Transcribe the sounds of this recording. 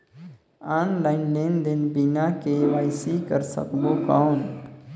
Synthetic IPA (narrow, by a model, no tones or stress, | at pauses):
anlaɪnlend̪inbinakeʋaɪsikəɾsə̰kbokəʊn